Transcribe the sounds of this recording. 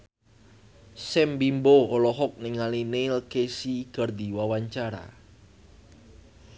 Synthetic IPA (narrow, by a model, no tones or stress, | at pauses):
sɛmbimboolɔɦɔk̚niŋalinelkesiɡ̥ə̤rd̪i̤wawaɲt͡ʃaɾa̰